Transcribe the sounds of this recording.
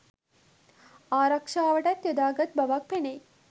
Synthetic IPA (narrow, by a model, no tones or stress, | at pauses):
aːɾɐkʂaːʋəʈɐt̪jod̪aːɡɐt̪̚baʋak̚penej